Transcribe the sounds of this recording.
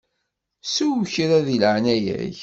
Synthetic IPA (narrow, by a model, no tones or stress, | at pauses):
suwçɾæðilʕnæjæ̰ç